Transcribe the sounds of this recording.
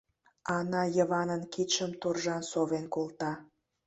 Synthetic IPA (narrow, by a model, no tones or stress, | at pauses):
ɑnɑjəβɑnənkit̪ʃəmt̪orʒɑnsoβenkolt̪ɑ